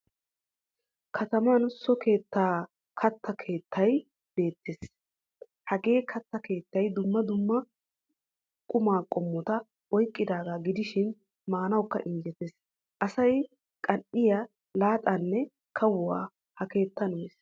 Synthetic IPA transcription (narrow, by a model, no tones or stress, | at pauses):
kʰɐt̪ɐmɐnsɔkʰe̞ːt̪ːaː | kʰɐt̪ʰːɐkʰe̞ːt̪ːɐj | b̥e̞ːt̪ːes | hɐɡe̞ːkʰɐt̪ːɐke̞ːt̪ːɐjd̪ʊmːɐd̪ʊmːɐ | kʼʊmaːkʼɔmːɔt̪ɐ | ʔɔjkʼːɪd̪aːɡaːɡɪd̪ɪʃɪn | maːnɐwkːɐ̰ʔɪnd͡ʒɛt̪es | ʔɐsɐj | kʼɐʔɪja | laːt̪ʼɐnːɛ | kʰɐwʊwa̰ː | hɐke̞ːt̪ːɐnʊmeːs